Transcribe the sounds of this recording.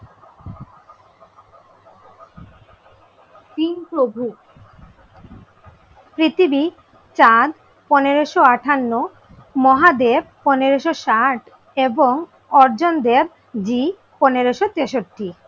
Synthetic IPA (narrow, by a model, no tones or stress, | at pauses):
t̪inpɾobʱu | pɾit̪ʰibi | t͡ɕad̪ | pɔneɾoʃoaʈʰanːo | mɔɦad̪eɾpɔneɾoʃoʃaʈʰ | eboŋ | ɔɾd͡ʑond̪eɾ | d͡ʑi | pɔneɾoʃot̪eʃoʈːi